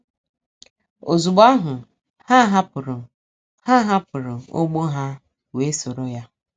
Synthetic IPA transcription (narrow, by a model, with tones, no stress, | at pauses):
o˨zu˨ɡ͡ba˦ɦʊ˨ | ha˦ɦa˦pʊ˨ɾʊ˨ | ha˦ɦa˦pʊ˨ɾʊ˨o̰˦ɡ͡bo˦ɦa˦ | we˨˦so˨ɾo˦ja˦